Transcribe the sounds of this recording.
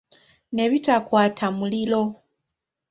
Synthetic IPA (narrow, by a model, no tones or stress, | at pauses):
neβitakwaːtʰamulilo